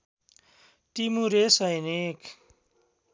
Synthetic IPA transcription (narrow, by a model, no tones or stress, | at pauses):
ʈimuɾesʌjnekʰ